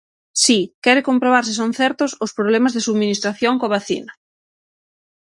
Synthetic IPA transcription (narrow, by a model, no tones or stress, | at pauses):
sikɛɾɪkompɾoβ̞aɾs̬ɪs̬on̟θɛɾt̪ʊsʊspɾoβlɛmazðɪsuðminist̪ɾaθjoŋkoaβaθḭnɐ